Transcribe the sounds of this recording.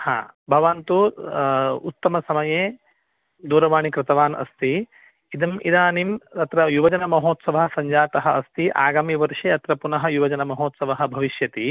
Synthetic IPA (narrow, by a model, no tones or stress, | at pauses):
hã̰ːbʱɐʋant̪u | ut̪ːɐmɐsɐmɐjeː | d̪uːɾɐʋaːɳikɾɪt̪ɐʋaːnʔɐ̰st̪i | id̪ɐmid̪aːnimt̪ɐt̪ɾɐjuʋɐd͡ʒɐnɐmɐɦoːt̪sɐʋɐɦsɐɲd͡ʒaːt̪ɐɦɐɐst̪iʔa̰ːɡaːmjʋɐɾʂeːɐt̪ɾɐpunɐɦɐ̆juʋɐd͡ʒɐnɐmɐɦoːt̪sɐʋɐɦɐ̆bʱɐʋiʃjɐt̪i